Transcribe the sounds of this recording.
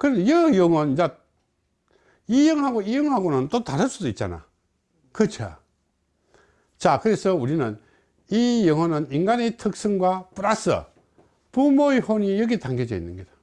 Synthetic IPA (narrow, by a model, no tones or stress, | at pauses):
kɯɾejɯjʌŋwʌnind͡ʑa | ijʌŋɦaɡoijɯŋɦaɡonɯntotaɾɯs͈udoit̚t͡ɕ͈a̰na̰ | kɯt͡ɕʰo̰ | t͡ɕakɯɾesʰʌuɾinɯn | ijʌŋwʌnɯniŋɡanetʰɯk̚s͈ɯŋɡwapuɾasɯ̰ | pumoehonijʌɡetaŋɡed͡ʑʌḭnːɯnɡʌda